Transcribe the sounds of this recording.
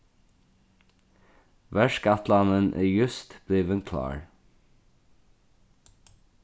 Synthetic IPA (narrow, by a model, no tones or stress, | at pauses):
ʋæʃkɑt̪lɑnənʔæ̰jʉst̪b̥liːʋənkʰlɑ̰ːɹ